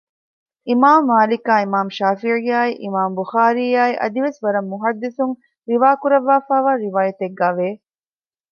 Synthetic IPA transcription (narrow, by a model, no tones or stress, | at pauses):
imaːmːaːlikaːimaːmʃaːfiʕijaːiʔimaːmbuxaːɾiːjaːiʔɐ̰d̪iʋesʋɐɾɐmːuɦɐd̪ːisuŋ | ɾiʋaːkuɾɐʋːaːfaːʋaːɾiʋaːjɐt̪eɡːaːʋeː